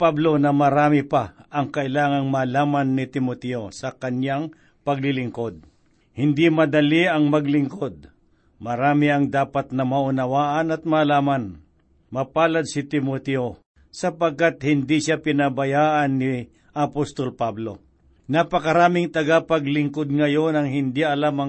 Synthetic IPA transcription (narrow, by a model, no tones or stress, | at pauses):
pablo̞nɐmɐɾaːmɪpaʔɐŋkɐʔɪlaːŋɐŋmaːlaːmanːɪt̪ɪmot̪ɛosɐkɐnjaŋ | pɐɡlɪlɪŋko̞d̪̚ | hɪnd̪imɐd̪ɐliɐŋmɐɡlɪŋko̞d̪̚ | mɐɾaːmɪɐŋd̪aːpɐt̪̚nɐmɐʔʊnɐwaːʔɐnɐt̪̚maːlaːman | mɐpaːlɐd̪̚sɪt̪ɪmot̪ɛo | sɐpɐɡ̚kat̪̚hɪnd̪iʃapɪnabɐjaːʔanːɪ | ʔɐpost̪olpablo̞̰ | napɐkɐɾaːmɪŋt̪ɐɡapɐɡlɪŋkod̪̚ŋɐjo̞nɐŋhɪnd̪iʔɐlamɐ